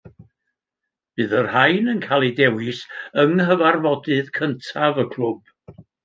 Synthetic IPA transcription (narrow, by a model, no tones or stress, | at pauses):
b̥ɨːðərhajnənkʰalˠidɛwɪsəŋɦəvarvɔdɨðkʰəntʰavəkʰl̥ˠʊb̥